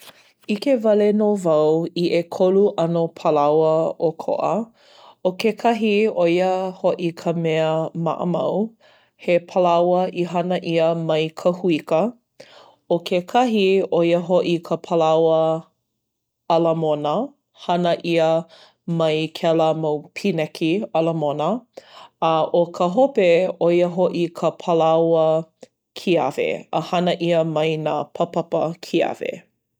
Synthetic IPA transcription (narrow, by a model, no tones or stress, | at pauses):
ikevɐlenovɐwiʔekʰoluʔɐnopʰəlawəokʰo̰ʔə | okekʰɐɦiojəhoʔikʰəmɛəmɐ̰ʔə̰mɐ̰w | hepʰəlawəʔiɦɐnəʔiəmɐjkʰɐhuikə | okʰekʰɐɦiojəɦoʔikʰəpʰɐlɐwə | ɐləmonə | hɐnəʔiə | mɐjkʰɛləmowpʰinɛkʰiɐləmonə | ɐʔokʰəɦopeojəɦoʔikʰəpʰɐlawə | kʰiɐ̰vḛəhɐnəʔiəmɐjnaːpʰɐpɐpəkʰiɐ̰vḛ